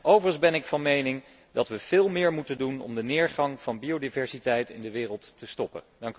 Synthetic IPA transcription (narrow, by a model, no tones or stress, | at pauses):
ʔowvərənzbɛnɪkfɑnmejnɪŋ | dɑtʋəv̥ɪːlˠmɪːɹmutəndunɔ̰mdənɪːɹχɑŋv̥ɑnbiodivɛɹsitɛjtɪ̰ndəʋɪːrəlˠtːəstɔpə̰ | dɑŋk